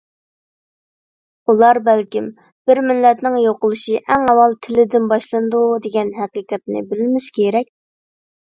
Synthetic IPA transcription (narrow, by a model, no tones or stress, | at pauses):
ulˠɑɾbɛlkʲim | b̥ɪɾmɪlːɛt̪nɪŋjoqəlˠɨʃiʔɛŋɛwɑlˠt̪ʰɪlɪd̪ɪnbɑʃlˠɨnd̪ud̪eɡʲɛnɦæqɨqʰɛt̪̚nɪ̰bɪlɪmɪʃkʲʰeɾɛk̚ʲ